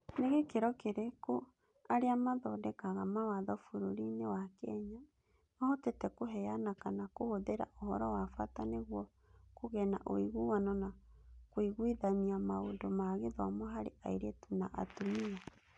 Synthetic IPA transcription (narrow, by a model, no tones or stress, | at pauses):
neɣekeɾɔkeɾeko | aɾeamaðɔdɛkaɣamawaðɔfuɾoɾinewakɛɲa | maotetɛkoɦɛjanakanakohoðeɾa̰ʔohɔɾɔwafataneɣwɔ | koɣɛna̰ʔo̰iɣuwanɔnakwiɣwiðamiamaondomaɣeðwɔ̰mɔɦaɾḛaiɾetunaʔa̰tumia